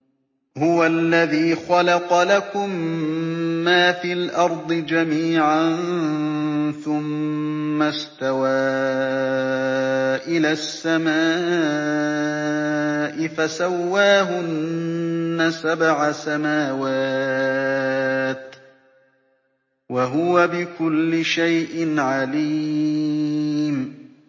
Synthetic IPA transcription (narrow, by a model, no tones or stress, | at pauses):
hʊwalːaðiːxɑlɑqɑlakʊmː | aːfiːlʔɑɾˤd̪ˤɨd͡ʒamiːʕan | θʊmː | ast̪awaː | ʔɪlaːsːamaː | ʔɪfasawːaːɦʊnː | asabʕasamaːwaː | t̪ | waɦʊwabɪkʊlːɪʃajʔɪnʕaliː | m